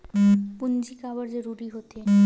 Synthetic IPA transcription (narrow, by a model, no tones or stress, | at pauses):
pund͡ʑikabaɾd͡ʑeɾuɾiɦot̪e